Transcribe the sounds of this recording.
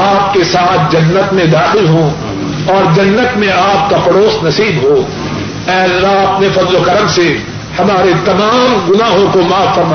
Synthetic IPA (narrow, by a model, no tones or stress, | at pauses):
aːp̚kesaːt̪ʰd͡ʒɐnːət̪mẽd̪aːxɪlɦõ | ɔːɾd͡ʒɐnːət̪mẽaːp̚kapɐɽoːsnɐsiːbɦo | ɛːlːaɐp̚nẽfɐzlokɐɾəmse | hɐmaːɾet̪ɐmaːmɡʊnaːɦõkomaːfːɐɾma